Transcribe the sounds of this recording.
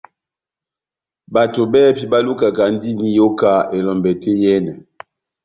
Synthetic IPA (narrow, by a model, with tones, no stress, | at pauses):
ba˨to˨bɛː˦pi˨ba˦lu˦ka˨ka˨n˦di˦ni˦jo˦ka˦e˨lɔ˨mbɛ˨te˦jɛ˦nɛ˨